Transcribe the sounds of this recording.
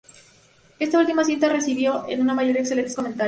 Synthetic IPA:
e̞st̪ault̪imas̬int̪are̞siβjo̞ḛnunamaʝo̞ɾjeksele̞nt̪eskoment̪a

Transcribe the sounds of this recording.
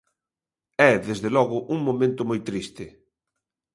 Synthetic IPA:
ɛðezðelɔɣʊʔuŋmomẽnt̪ʊmojt̪ɾist̪ɪ

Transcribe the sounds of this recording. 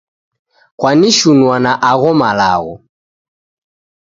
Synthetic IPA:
kwaniʃunwanaʔaɣɔmala̰ɣɔ̰

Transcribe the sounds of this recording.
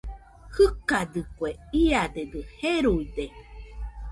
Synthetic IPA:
hɨkad̪ɨkweiad̪ed̪ɨheɾuid̪e

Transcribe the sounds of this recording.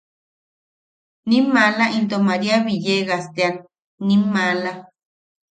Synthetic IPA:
nimːalaʔint̪omaɾiaβijeɣast̪eanː | imːala

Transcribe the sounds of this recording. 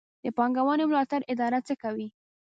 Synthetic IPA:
d̪̥əpɑŋɡawɑnemlɑt̪aɾʔɪd̪ɑɾat͡səkawi

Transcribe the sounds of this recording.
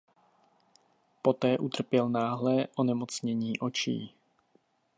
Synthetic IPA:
po̞t̪ɛːʔut̪r̩pjɛlnaːɦlɛʔonɛmot͡sɲɛɲiːʔot͡ʃḭː

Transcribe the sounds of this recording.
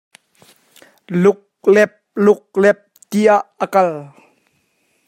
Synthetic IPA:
lʊk̚ | lɛp̚lʊk̚lɛp̚t̪iaʔːəkɐl

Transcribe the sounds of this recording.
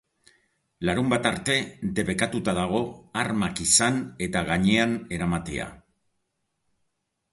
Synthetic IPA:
laɾumbat̪aɾt̪e̞d̪e̞βe̞kat̪ut̪að̞aɣ̞o̞aɾmakisane̞t̪aɣaɲe̞ane̞ɾamat̪ḛa̰

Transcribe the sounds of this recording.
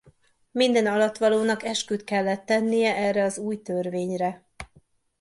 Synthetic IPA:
mind̪ɛnɒlɒt̪ːʋɒloːnɒkɛʃkyt̪kɛlːɛt̪ːɛnːijɛʔɛrɛɒzuːjt̪ørveːɲrɛ

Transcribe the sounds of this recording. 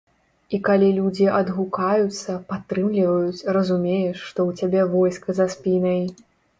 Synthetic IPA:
ikalʲilʲud͡zʲiʔɐd̪ɣukajut̪sːɐpat̪ːɾɨmlʲivɐjut͡sʲrɐzumʲejɛʂːt̪ɔwt͡sʲabʲɛvɔjskɐzaspʲinɐj

